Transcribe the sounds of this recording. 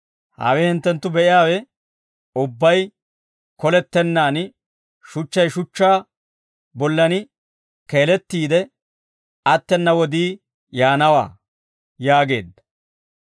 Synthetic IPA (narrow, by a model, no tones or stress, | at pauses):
ha̰ːwɛhɪnt̪ːɛnt̪ːʊbɛʔɪjaːwɛ | ʊbːɐj | kɔlɛt̪ːɛnːaːnɪ | ʃʊt͡ʃːɐjʃʊt͡ʃːaː | bɔlːɐnɪ | ke̞ːlɛt̪ːiːd̪ɛ | ɐt̪ːɛnːɐwɔd̪iː | jaːnɐwa̰ː | jaːɡe̞̰ːd̪ːɐ